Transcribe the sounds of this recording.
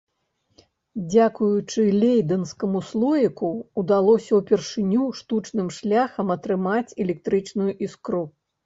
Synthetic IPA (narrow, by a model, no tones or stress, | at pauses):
d͡zʲakujut͡ʂɨlʲejd̪ɐnskɐmuslˠɔjikuːd̪alˠɔsʲɐwpʲɛrʂɨnʲuʂt̪ut͡ʂnɨmʂlʲaxɐmɐt̪ɾɨmat͡sʲɛlʲɛk̚t̪ɾɨt͡ʂnujuʔiskɾu